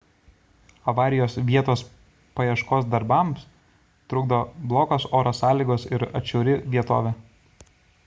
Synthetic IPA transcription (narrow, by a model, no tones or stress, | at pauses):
ɐʋɑːɾʲɪjoːsʋʲiɛt̪oːs | pɐjɛʃkoːsd̪ɐɾbɐˑms | t̪ɾʊɡd̪oːblˠoːkoːsoːɾoːsɑːlʲiːɡoːsɪɾɐ̰t͡ʃʲɛːɾʲɪʋʲiɛt̪o̰ːʋʲɛ